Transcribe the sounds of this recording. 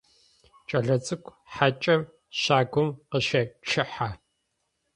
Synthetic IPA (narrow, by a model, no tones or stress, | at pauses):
t͡ʃʼɐɮɐt͡sʼɨkʷʰʼ | ħat͡ʃʼɐm | ɕaːɡʷʊmqəʃɐʈ͡ʂʰɪħa